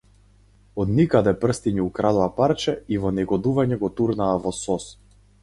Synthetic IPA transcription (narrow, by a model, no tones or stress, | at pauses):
ɔd̪nikad̪ɛpr̩st̪iɲɛukɾad̪ɔapaɾt͡ʃɛivɔnɛɡɔd̪uvaɲɛɡɔt̪uɾnaːvɔsɔs